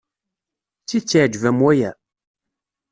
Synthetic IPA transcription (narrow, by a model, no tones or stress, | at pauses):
t͡sːit͡sːiʕd͡ʒvæmwæjæ